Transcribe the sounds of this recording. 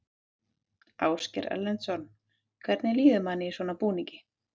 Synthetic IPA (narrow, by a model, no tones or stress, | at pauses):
aːwscɛɾɛ̰lːɛnt̪sɔn | kʰvɛɾt̪nɪliːðʏmanɪisvɔnapuːniŋcɪ̥